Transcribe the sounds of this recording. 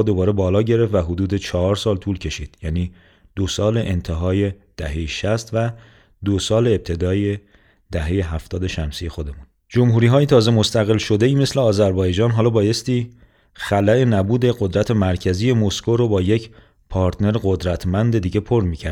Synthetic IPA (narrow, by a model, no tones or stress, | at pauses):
d̪o̞bɒːɾe̞bɒːlɒːɟe̞ɾeft̪væɦod̪uːd̪e̞t͡ʃʰɒɦɒːɾsɒːlt̪ʰuːlcʰe̞ʃiːd̪̥jæːniː | d̪̥osɒːle̞ʔent̪ʰeɦɒːje̞ | d̪̥æɦe̞jeʃæst̪væ | d̪osɒːleːb̚t̪ʰe̞d̪ɒːje | d̪̥æɦe̞je̞ɦæft̪ɒːd̪e̞ʃæmsiːje̞xo̞d̪e̞mun | d͡ʒo̞mɦuːɾiːɦɒːjet̪ʰɒːze̞most̪ʰæɣe̞lʃo̞d̪e̞iːme̞sle̞ɒːzæɾbɒːjed͡ʒɒːnɦɒːlɒːbɒːje̞st̪iː | xælæe̞næbuːd̪e̞ɡod̪ɾæt̪ʰemæɾcʰæziːje̞moskʰoɾobɒːje̞cʰ | pʰɒːɾt̪ʰne̞ɾɡod̪ɾæt̪ʰmænd̪e̞d̪iːɟe̞pʰo̞ɾmiːcʰæ̰ɾ